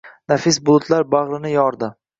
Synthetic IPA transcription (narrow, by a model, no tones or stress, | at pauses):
nafɪsbʊlˠʊt̪ʰlaɾbaʁɾɪnɪjɒɾd̪ɪ